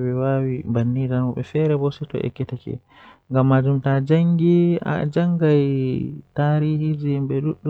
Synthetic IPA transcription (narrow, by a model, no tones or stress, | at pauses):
ɓɛwawibanːidanɔɓɛfɛɾɛbɔsɛtɔ̰ʔɛ̰kːɛtɛkɛ̰ | ŋɡamːad͡ʒumtad͡ʒaŋɡia̰d͡ʒaŋɡajtaːɾiːhid͡ʒimɓɛɗuɗːu